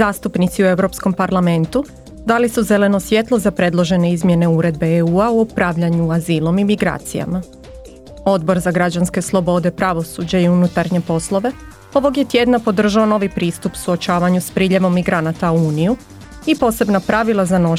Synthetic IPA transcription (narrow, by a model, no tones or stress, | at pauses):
aːst̪upnit̪siue̞wɾo̞psko̞mpaɾlˠame̞nt̪u | d̪alisuze̞le̞no̞sʋje̞t̪lˠo̞zapɾe̞d̪lˠo̞ʒe̞ne̞izmje̞ne̞uɾe̞d̪̚be̞euːauopɾaʋʎaɲuaziːlˠo̞mimiɡɾa̰ːt̪sija̰ma | o̞d̪bo̞ɾzaɡɾad͡ʑanske̞slˠo̞bo̞d̪e̞pɾaʋo̞sud͡ʑaiunut̪aɾɲe̞po̞slˠo̞ʋe̞ | o̞ʋo̞ɡje̞t̪je̞d̪napo̞d̪r̩ʒao̞no̞ʋipɾiːst̪upu̥suo̞t͡ʃaːʋaɲuspɾiːʎe̞ʋo̞mːiɡɾanat̪auuːniju | ipo̞ːse̞bnapɾaʋilˠazano̞